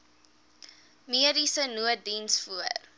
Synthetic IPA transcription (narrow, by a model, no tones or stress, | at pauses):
miəɾisənuət̚dinsfuər